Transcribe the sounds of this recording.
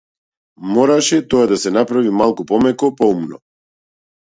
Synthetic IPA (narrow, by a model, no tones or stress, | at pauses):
mɔɾaʃɛt̪ɔad̪asɛnapɾavimalˠkupɔmɛkɔpɔumnɔ̰